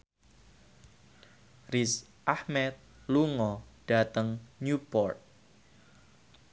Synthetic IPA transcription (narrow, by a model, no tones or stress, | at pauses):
ris | ʔahmɛt̪̚ | luŋɔɖ̥a̤t̪əŋɲupɔrt̪̚